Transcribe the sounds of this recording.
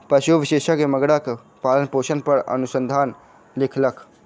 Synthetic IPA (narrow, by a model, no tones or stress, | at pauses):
pəsoʋiseʃakeməɡɽak | palənposənpəɾə̰nusənd̪ʱan | likʰləkʰ